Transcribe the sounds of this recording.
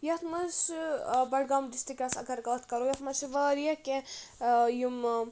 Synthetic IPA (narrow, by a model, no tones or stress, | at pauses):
jɐt̪ʰmɐsbɐɽɡamd̪ist̪ikʲɐsɐɡɐɾɡɐlɐt̪kɐɾojɐt̪ʰmɐsʋəːɾjɐkẽ | jum